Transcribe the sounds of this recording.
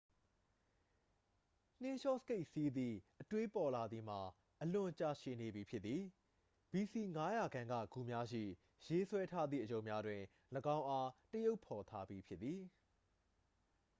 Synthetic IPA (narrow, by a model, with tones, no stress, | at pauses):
n̥ɪ̃˦ʃɔ˦˨sə̥ke˦ɪʔsi˦d̪ðḭ˦˨ʔətwe˦pɔ˨la˨d̪ði˨m̥a˨ | ʔəlʊ̃˨t͡ɕa̰˦˨ʃɪ̃˨ne˨bji˨pʰjɪ˦t̪t̪ːi˨ | b̥i˨si˨ŋa˦ja˨ɡã˨ŋɡä̰˦˨ɡ̥u˨mja˦ʃḭ˦˨ | je˦swɛ˦tʰa˦d̪ðḭ˦˨ʔəjõ˨mja˦dwɪ̃˨ | ləɡã˦ʊ̃ʔa˦təjo˦ʊpʰːɔ˨t̪ʰa˦bji˨pʰjɪ˦t̪ːi˨